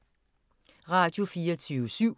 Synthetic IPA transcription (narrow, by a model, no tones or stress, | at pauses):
ʁɑ̈d̥jo̝fiːɐt͡sʰyːʊəsyʊ̰